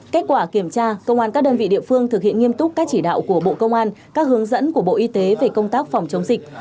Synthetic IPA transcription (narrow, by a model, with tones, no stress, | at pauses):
ka˦˥k̟̚kwaː˧˩ki˧˩əmt͡ɕaː˧kə˧wŋ͡mʔaː˧nka˦˥k̚ɗəː˧nvḭ˧˨ɗḭ˧˨əfɨ˧əŋt̪ʰɨ˨˩hḭ˧˨ənŋi˧əmt̪ʊ˦˥k͡p̚kaː˦˥k̚t͡ɕi˧˩ɗa̰ː˧˨wku˧˩əɓo̰˧˨kə˧wŋ͡mʔaː˧nkaː˦˥k̚hɨ˨˦əŋzə̰˧˥nku˧˩əɓo̰˧˨ʔi˧t̪e˨˦ve˨˩kə˧wŋ͡mt̪aː˦˥k̚fa˨˩wŋ͡mt͡ɕə˨˦ŋ͡mzï˨˩k̟̚